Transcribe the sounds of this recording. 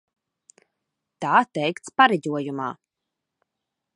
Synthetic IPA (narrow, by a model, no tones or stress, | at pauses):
t̪aːt̪ɛjkt̪spaɾɛɟʲuɔjuma̰ː